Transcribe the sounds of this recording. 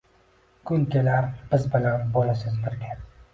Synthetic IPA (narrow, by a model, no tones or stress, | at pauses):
kʰʊŋkʲelaɾb̥ɪzbɪlanbolɪsɪzbɪɾɡʲa